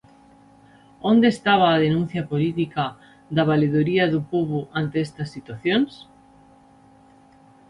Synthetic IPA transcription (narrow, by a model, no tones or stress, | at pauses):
õnd̪est̪aβ̞aːð̞enũn̟θjapolit̪ika | ðaβ̞aleðuɾiaðupoβuʔant̪eest̪ɐsːit̪waθjõns